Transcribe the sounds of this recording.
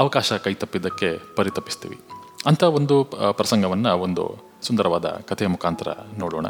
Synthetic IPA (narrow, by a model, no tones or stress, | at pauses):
ɐʋɐkaːʃɐkɐjt̪ɐpːid̪ɐkːe̞pɐɾit̪ɐpːi̥st̪ḭːʋḭ | ɐnt̪ʰao̞nd̪upɾɐsɐŋɡɐʋɐnːɐo̞nd̪ṵ | sund̪ɐɾɐʋaːd̪ɐ̰kɐt̪ʰemukʰaːnt̪ɐɾɐ̰noːɽo̰ːɳɐ̰